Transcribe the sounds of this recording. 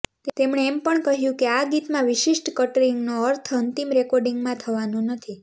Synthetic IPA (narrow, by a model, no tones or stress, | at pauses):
t̪emɳeːmpəɳkəɦjũkeaɡit̪mãʋɪʃiʃʈkəʈəɾiŋɡnoəɾt̪ʰənt̪imɾekɔɾɖĩŋɡmãt̪ʰəʋanũnət̪ʰi